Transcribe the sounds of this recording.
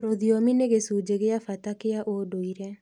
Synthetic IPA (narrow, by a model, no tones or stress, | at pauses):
ɾoðiɔmineɣesud͡ʒeɣeafatakeaʔodoiɾɛ